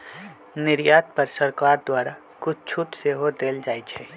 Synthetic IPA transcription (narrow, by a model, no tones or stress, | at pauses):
nɪɾjaːt̪pəɾsəɾkaːɾd̪waːɾa | kʊt͡ʃʰt͡ʃʰuʈseɦod̪eːld͡ʒaːit͡ʃʰɛ